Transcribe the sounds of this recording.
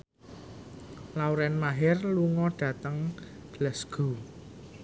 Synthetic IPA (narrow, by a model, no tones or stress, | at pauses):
lawɾɛnmaɦɛrluŋɔɖ̥ä̤t̪əŋ | ɡ̥ələsɡ̥o̤